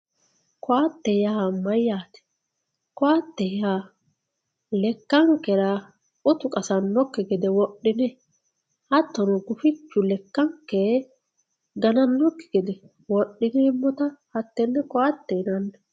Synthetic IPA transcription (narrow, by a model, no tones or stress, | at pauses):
kɔat̪ːɛjaːmɐjːaːt̪ɛ̥ | kɔat̪ːɛjaː | lɛkːɐŋkːɛɾɐ | ʊt̪ʊkʼɐsɐnːɔkːɪɡɛd̪ɛwɔɗːɪnɛ | hɐt̪ːɔnʊɡʊfɪt͡ʃːʊlɛkːɐŋkːɛ | ɡɐnɐnːɔkːɪ̥ɡ̥ɛd̪ɛ | wɔɗːɪnemːɔt̪ɐhɐt̪ːɛnːɛkɔat̪ːɛnɐnːɐ